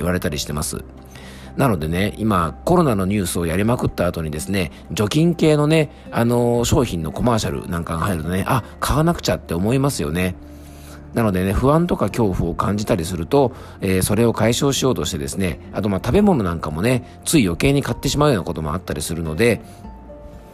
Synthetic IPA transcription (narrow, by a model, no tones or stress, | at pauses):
iβaɾe̞t̪aɾʲiɕi̥t̪e̞masɨ̰ | nano̞d̪e̞ne̞imako̞ɾo̞nano̞ɲ̟ɨːsɨo̞jaɾʲimakɯ̟t̪ːaːt̪o̞ɲ̟id̪e̞sɨne̞ | d͡ʑo̞kʲĩŋke̞ːno̞ne̞ | ano̞ɕo̞ːçĩnːo̞ko̞maːɕaɾɯ̰nãŋkaŋhaiɾɯ̟t̪o̞neʔakʰaβanakɯ̟̥t͡ɕat̪ːe̞o̞mo̞imasɨjo̞̰ne̞ | nano̞d̪e̞ne̞ɸɯ̟βãnt̪o̞kakʲo̞ːɸɯ̟o̞kãɲ̟d͡ʑit̪aɾʲisɨɾɯ̟t̪o̞ | e̞ːso̞ɾe̞o̞kaiɕo̞ːɕijo̞ːt̪o̞ɕi̥t̪e̞d̪esɨne̞̰at̪o̞mat̪abe̞mo̞no̞nãŋkamo̞ne̞ | t͡sɨijo̞ke̞ːɲ̟ikat̪ːe̞ɕimaɯjoːnakot̪o̞mo̞̰at̪ːaɾʲisɨɾɯ̟no̞d̪e̞